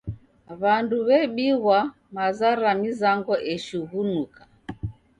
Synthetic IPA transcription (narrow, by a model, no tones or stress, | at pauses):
βanduβɛɓiɣwa | mazaɾamizaŋɡɔʔɛʃuɣunukḁ